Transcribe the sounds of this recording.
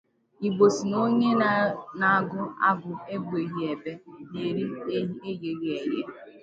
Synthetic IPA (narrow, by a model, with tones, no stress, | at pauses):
i˨ɡ͡bo˨si˨no˦ɲe˦na˨a˨ɡʊ˦a̰˦ɡʊ˨e˦ɡ͡be˨ɦi˦e˨be˦ɲe˨ɾi˦e˦je˨ɣi˦e˨ɾe˦